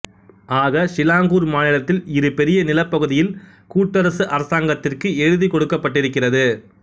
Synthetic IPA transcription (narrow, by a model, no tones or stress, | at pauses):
ʔaːɣɐʂɪlaːŋɡuːɾmaːnɪɭɐt̪ːɪlɪɾɯpɛɾɪjɐnɪlɐpːɐɣɯðɪjɪl | kuːʈːɐɾɐsɯʔɐɾɐsaːŋɡɐt̪ːɪrkɯɛɻɯðikɔɽɯkːɐpːɐʈːɪɾɯkːɪrɐðɯ